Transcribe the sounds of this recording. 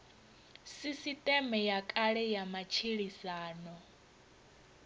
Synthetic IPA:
sisitʼɛmɛjakʼaɺɛjamat͡ʃʰiɺisaːnɔ

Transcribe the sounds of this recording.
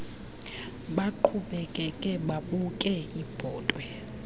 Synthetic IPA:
ɓaǃʰuɓɛkʼɛkʼɛɓaɓukʼɛib̥ʱɔːtʼwɛ

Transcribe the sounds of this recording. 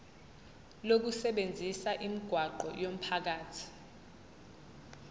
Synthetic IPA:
lok̬usɛɓend͡zʱisaʔimiɡ̥ʱwaǃɔjom̩pʰak̬aːtʰi̥

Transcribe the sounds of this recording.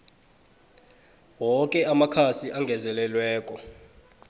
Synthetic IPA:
wɔkʼɛamakʰasiʔaŋɡʱɛzɛlɛlwɛːkʼɔ

